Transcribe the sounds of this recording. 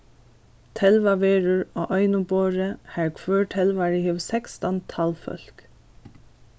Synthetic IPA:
t̪ʰɛlʋɑʋeːɹʉɹoːʔœʏnʊboːɹəhæːɹkʰʋøːʈʰɛlʋɑɹɪhiʋsɛkst̪ɑnt̪ʰɑlfœ̰l̥k

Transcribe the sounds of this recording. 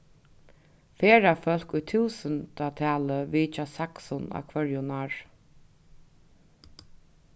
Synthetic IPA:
feːɾafœlkʊjt̪ʰuːsənt̪at̪ʰæːləʋiːt͡ʃasaksʊna̰kʰvœɹjʊnaɹ

